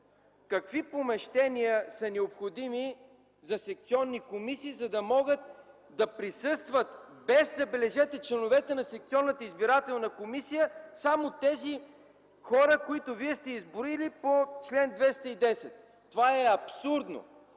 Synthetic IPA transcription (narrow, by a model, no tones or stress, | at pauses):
kɐkvipomɛʃt̪ɛnijəsɐnɛopxod̪imi | zɐsɛk̚t̪siɔnːikomisiːzɐd̪ɐmɔɡət̪̚ | d̪ɐpɾisɤst̪vət̪bɛzzɐbɛlɛʒɛt̪ɛt͡ʃlɛnovɛt̪ɛnɐsɛk̚t̪siɔnːət̪əizbiɾat̪ɛlˠnəkomisijəsamot̪ɛzi | xɔɾəkoit̪oviɛst̪ɛizbʊɾilipot͡ʃlɛnd̪vɛst̪əid̪ɛsɛt̪ː | ovaɛɐpsuɾd̪no̰